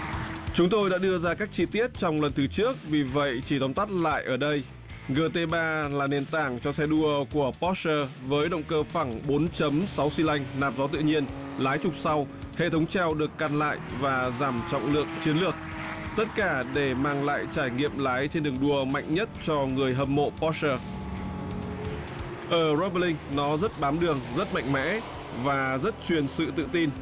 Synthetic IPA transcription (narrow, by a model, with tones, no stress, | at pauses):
t͡ɕʊ˨˦ŋ͡mt̪o˧jɗa̰ː˧˥ɗɨ˧əzaː˧kaː˦˥k̚t͡ɕi˧t̪i˦˥ət̚t͡ɕɔ˧wŋ͡mlə˨˩nt̪ʰɨ˨˦t͡ɕɨ˦˥ək̚vi˨˩və̰˧˨jt͡ɕi˧˩ɗɔ˨˦wŋ͡mt̪a˦˥t̚la̰ː˧˨jʔəː˧˩ɗə˧j | ɣəː˧t̪e˧ɓaː˧laː˨˩ne˨˩nt̪aː˧˩ŋt͡ɕɔ˧sɛ˧ɗu˧əku˧˩əpɔ˦˥t̚səː˧ | vəː˨˦jɗə̰˧˨wŋ͡mkəː˧fa˧˩ŋɓo˨˦nt͡ɕə˨˦msa˨˦wsi˧la˧jŋ̟naː˨˩p̚zɔ˨˦t̪ɨ̰˧˨ɲi˧ən | laː˨˦jt͡ɕʊ˨˩k͡p̚sa˧w | hḛ˧˨t̪ʰə˨˦wŋ͡mt͡ɕaː˧wɗɨ˨˩əkːaː˨˧˩nla̰ː˧˨jvaː˨˩zaː˧˩mt͡ɕɔ̰˧˨wŋ͡mlɨ̰˨˧˩ək̚t͡ɕi˨˦ənlɨ˨˩ək̚t̪ə˦˥t̚kaː˧˩ɗe˧˩maː˧ŋla̰ː˧˨jt͡ɕaː˧˩jŋḭ˧˨əmlaː˨˦jt͡ɕe˧nɗɨ˨˩əŋɗu˧˩əma̰˧˨jŋ̟ɲə˦˥t̚t͡ɕɔ˧ŋɨ˨˩əjɦə˧˩mmo̰˧˨pɔ˦˥əː˧ | ʔəː˧˩zo˦ɓə˧lï˧ŋ̟nɔ˨˦zə˦˥t̚ɓaː˨˦mɗɨ˨˩əŋzə˦˥t̚ma̰˧˨jŋ̟mɛ̰˧˥ | vaː˨˩zə˦˥t̚t͡ɕwi˨˩ənsɨ̰˧˨t̪ɨ̰˧˨t̪i˧n